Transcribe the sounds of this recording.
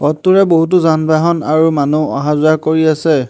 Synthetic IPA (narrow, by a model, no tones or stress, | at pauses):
ɔtːuɹɛboɦut̬uzanbaɦɔnaɹumanuɔ̰̃ɦazʊakoɹiasɛ